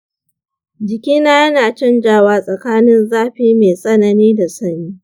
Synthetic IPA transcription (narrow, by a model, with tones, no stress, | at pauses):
d͡ʒɪ˨kʲiː˦naː˦jɐ˦naː˨t͡ʃɐ˦nd͡ʒaː˦˨waː˦sʼɐ˨kaː˦nɪ˦nzaː˦ɸiː˦meː˨sʼɐ˦nɐ˨niː˦da˨sɐ˦niː˦